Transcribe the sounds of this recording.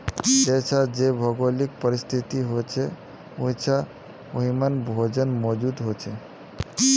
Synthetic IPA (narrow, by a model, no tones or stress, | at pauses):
d͡ʒet͡ʃʰad͡ʒebʱəɡolik̚pəɾist̪ʰit̪iɦot͡ʃʰe | oɦit͡ʃʰa | oɦimənbʱod͡ʒənmɔd͡ʒud̪ɦot͡ʃʰe